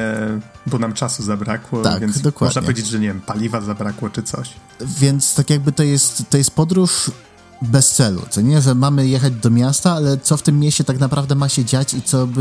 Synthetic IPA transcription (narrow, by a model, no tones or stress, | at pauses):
bɔnamt͡ʂasuzabɾa̰kwɔt̪a̰kvjɛnsd̪ɔkwaɔd̪napɲɛɔvʲed͡ʑed͡ʑʐɛɲevʲɛmpalʲivazabɾakwɔt͡ʂɘt̪sɔ̰ɕ | vʲjɛnt̪st̪akʲjaɡ̚bɘt̪ɔjɛst̪t̪ːɔjɛst̪̚pɔd̪ɾuʂ | bɛst̪sɛlṵt̪sɔɲɛʐɛmamɘjɛxad͡ʑd̪ɔmʲjast̪aalɛt̪sɔft̪ɘmːjeɕt͡ɕɛt̪aknapɾavd̪ɛmaɕɛd͡ʑat͡ɕit̪sɔb